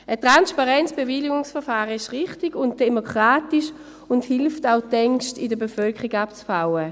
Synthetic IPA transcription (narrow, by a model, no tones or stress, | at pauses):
ətʁ̥anspaʁɛnt͡sb̥eviliɡʊŋsfɛfaːʁəɪʃʁɪχtiɡʊnt̚d̥emokʁ̥aːtiʃ | ʊnthɪlftaʊtɛŋkʃtɪdəbefœlkʰəʁiɡapt͡sfawə